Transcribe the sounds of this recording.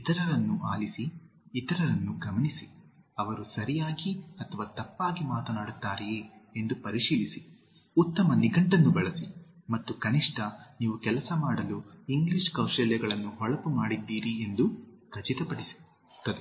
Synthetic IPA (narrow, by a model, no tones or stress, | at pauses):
it̪ɐɾɐɾɐnːuʔa̰ːlisiːt̪ɐɾɐɾɐnːuɡɐmɐnisiɐʋɐɾusɐɾijaːɡiɐt̪ʰɐʋaːt̪ɐpːaːɡimaːt̪ɐnaːɽut̪ːaːɾɛeːend̪upɐɾiʂiːlisi | ut̪ːɐmɐniɡɐɳʈɐnːubɛɭɐsimɐt̪ːukɐniʂʈɐniːʋukɛlɐsɐmaːɽɐluiŋɡliʂkɐwʂɛljɐɡɐɭɐnːuɦɔɭɐpumaːɽid̪ːiːɾie̞nd̪ukɐt͡ʃit̪ɐpɐɽisi̥ | t̪ːɐd̪ɛ